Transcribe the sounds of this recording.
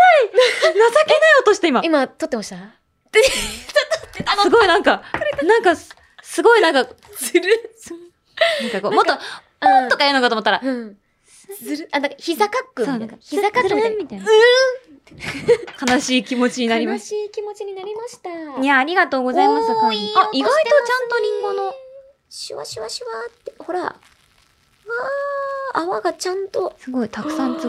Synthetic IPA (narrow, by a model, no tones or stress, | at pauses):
ainasakenaiot̪o̞ɕi̥t̪aimaimat̪ot̪ːemaɕi̥t̪a | easɨɡo̞inãŋkanãŋka | sɨɡo̞inãŋka | zɾ | nãŋkakomok̪t̪ːo | õt̪okaiɾɯnokat̪omt̪ːaɾaɯ̃ | ɾad̪ãkaçizakakːɯmsoːnãkaçizakamit̪ai | kanaɕiːkʲimo̞t͡ɕiɲinaɾʲimasiːkʲimot͡ɕiɲinaɾʲimaɕi̥t̪aɲaːɾʲiɡat̪o̞ːɡo̞zaimasoaiɡait̪t̪ot͡ɕãnt̪o̞ɲ̟ĩŋɡono | ɕiβa̰ɕiβaɕiβat̪ːeho̞ɾa̰ | a | aβaɡat͡ɕãnt̪o̞sɨɡo̞it̪akɯ̟̥sãnt͡s